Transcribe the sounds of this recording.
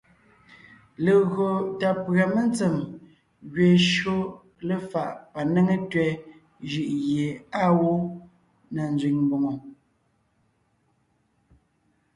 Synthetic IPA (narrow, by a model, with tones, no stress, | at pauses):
le˨ɣo˨ta˨pɰa˨mə˦nt͡sə˨m | ɣɥe˨ʃo˦ | lə˨fa˨ʔpa˨ne˦ŋe˦tɥɛ˦ | ʒi˨ʔɣje˨a˦wo˦ | na˨n˦zɥi˨ŋmbo˨ŋo˨